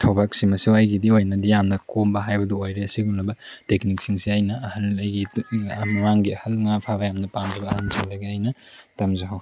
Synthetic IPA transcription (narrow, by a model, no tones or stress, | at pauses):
tʰɐwbak̚simɐsiwɐjɡidiojnɐdijamnɐkʰombɐɦajbɐduojɾeɐsiɡunlɐbɐtekniksiŋsiajnɐɐhɐnɐjɡimɐŋaŋɡiɐhɐlŋapʰabɐjamnɐpamzɐbɐːhɐnsʰalɐɡiajnɐtɐmzɐɦɐw